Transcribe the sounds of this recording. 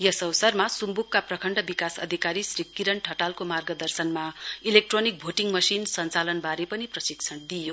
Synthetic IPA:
jʌsʌwsʌrmasumbukːaprʌkʰʌɳɖʌbikasʌ̰d̪ʱikaɾisrikːiɾʌɳʈʰʌʈalkomarɡʌd̪ʌrsʌnmailek̚ʈronik̚bʱoʈiŋmʌsinsʌnt͡salʌnbaɾepʌniprʌsikt͡sʰʌnd̪ijo

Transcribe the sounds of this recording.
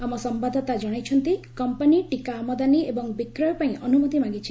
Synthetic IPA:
amɔsɔmbad̪ʱɔt̪ad͡ʒɔɽ̃ajt͡ʃʰɔnt̪ikɔmpaniʈikaːmɔd̪aniebɔŋbikɾɔjɔpaĩʔɔnumɔt̪imãɡit͡ʃʰi

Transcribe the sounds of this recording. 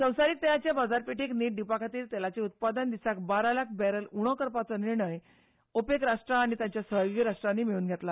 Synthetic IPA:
sə̃w̃saɾiːk̚t̪ɛlat͡ɕjabad͡zaɾpiʈikniːʈ̚ɖipakʰat̪iːɾt̪ɛlat͡seut̪̚pad̪ənd̪isakbaɾalak̚ʰbɛɾəluɽ̃ɔkəɾpat͡səniɾɳəj | opekɾaʂʈɾãːɽ̃it̪jãt͡ɕjasəɦɡiɾaʂʈɾãniːmiɭuːnɡʱet̪la

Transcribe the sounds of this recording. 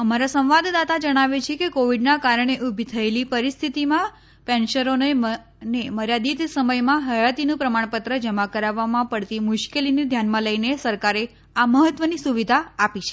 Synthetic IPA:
əmaɾasə̃wʋad̪d̪at̪ad͡ʒəɽ̃aʋet͡ʃʰekekoʋiɖnakaɾəɳ̃eʔubʱit̪ʰəelipəɾist̪ʰit̪imã | pɛnʃəɾone | neməɾjad̪it̪səməjmãɦəjat̪inũpɾəmaɳ̃pət̪ɾəd͡ʒəmakəɾaʋːamãpəɽt̪imʊʃkelined̪ʱjanmãləjnesəɾkaɾe | aməɦət̪ʋənisuʋid̪ʱaapit͡ʃʰe̥

